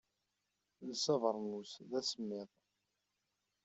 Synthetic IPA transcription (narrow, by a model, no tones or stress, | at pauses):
ləsɑvəɾˤnusðæsəmːɪðˤ